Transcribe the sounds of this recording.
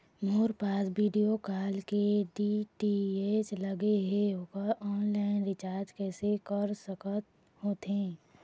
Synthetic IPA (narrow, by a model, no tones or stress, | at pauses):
moːɾpaːsbiːɖijokaːlkeɖiʈieːt͡ʃləɡeɦeɦokəɔːnlaːɪnɾɪt͡ʃaːɾd͡ʒkɛːsekəɾsəkət̪̚ | hoːt̪ẽː